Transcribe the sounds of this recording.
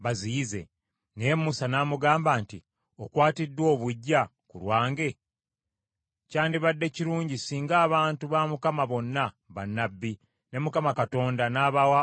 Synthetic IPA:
βaziːze̞̰ | nemːusanaːmuɡaːmbaːntḭ | o̞kwaːtidːwo̞ːβuɟːa | kulwaːŋɡe̞ | caːndiβadːe̞ciɾuːɲɟisiːŋɡaːβaːntuβamukamaβo̞nːa | βanːabːi | ne̞mukamakato̞ːndanaːβawa

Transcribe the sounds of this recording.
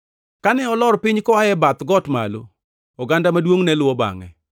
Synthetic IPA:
kanɛɔlɔɾpɪɲkɔaɛbat̪ɡɔtma̰lo | ɔɡandamadwoŋnɛlwɔba̰ŋɛ̰

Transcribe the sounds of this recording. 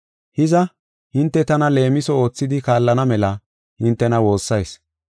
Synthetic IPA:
hɪzɐ | hɪnt̪ːɛt̪ɐnɐle̞ːmɪsɔo̞ːt͡sːɪd̪ɪkaːlːɐnɐmɛlɐ | hɪnt̪ːɛnɐwo̞ːsːɐjs

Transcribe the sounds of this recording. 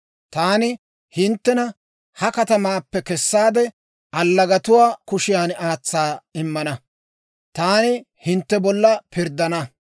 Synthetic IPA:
t̪aːnɪ | hɪnt̪ːɛnɐ | hɐkɐt̪ɐmaːpːɛkɛsːaːd̪ɛ | ɐlːɐɡɐt̪ʊwaːkʊʃɪjaːnaːt͡sːaːɪmːɐnɐ | t̪aːnɪ | hɪnt̪ːɛbɔlːɐpɪɾd̪ɐnɐ

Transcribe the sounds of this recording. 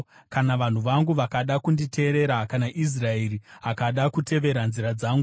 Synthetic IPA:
kanaʋan̤uʋaŋɡuʋakaɗakunditʰe̞ɾe̞ɾakanaʔis̬rae̞riakaɗakutʰe̞ʋe̞ɾanziɾad͡zaːŋɡu

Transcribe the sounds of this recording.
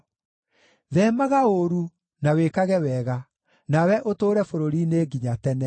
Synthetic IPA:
ðɛmaɣaoɾu | nawekaɣɛwɛɣa | nawɛʔotoːɾɛfoɾoɾineɡiɲatɛnɛ

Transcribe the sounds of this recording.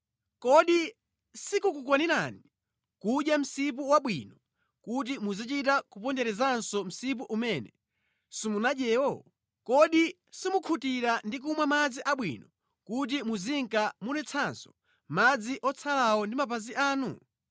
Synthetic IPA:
kɔɗi | sikukukwaniɾani | kuɗjam̩sip̬uwaɓwḭnɔ | kut̬imuzit͡ʃitakupɔndɛɾɛzansɔm̩sip̬uʔumɛnɛ̰ | simunaɗjɛːwɔ | kɔɗi | simukʰutiɾandik̬umwamad͡ziʔaɓwḭnɔ | kut̬imuziŋkamunɛt͡sʰansɔ̥ | mad͡ziʔɔt͡sʰalawɔndimapaziʔaːnṵ

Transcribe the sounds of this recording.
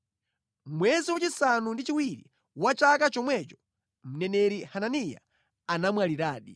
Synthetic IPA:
mmwɛziwat͡ʃisanundit͡ʃiwiɾḭ | wat͡ʃakat͡ʃɔmwɛt͡ʃɔ̥ | m̩nɛnɛɾihananija̰ | anamwaliɾaːɗi

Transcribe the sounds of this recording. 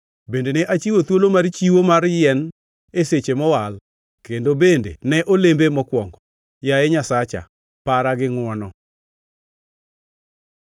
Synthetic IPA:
bendeneʔat͡ʃiwot̪wolomart͡ʃiwomarjɛn | eset͡ʃemɔwal | kendobendḛnɛʔolembemɔkwɔŋɡɔ | jajɛɲasat͡ʃa̰ | paɾaɡɪŋwɔnɔ

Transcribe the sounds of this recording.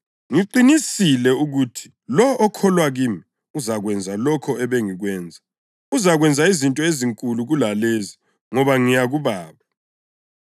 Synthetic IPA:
ŋiǃinisilɛuɣutʰi̥ | lɔʔːkʰɔlwaɣiːmi | uzaɣwɛnd͡zʱalɔkʰɔɛβeŋiɣwɛːnd͡zʱa | uzaɣwɛnd͡zʱaizintʼɔeziŋkʼuluɣulalezi | ŋɔβaŋijaɣuβaːβa

